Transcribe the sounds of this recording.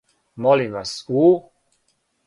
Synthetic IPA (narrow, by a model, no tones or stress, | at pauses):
mɔlimʋasuː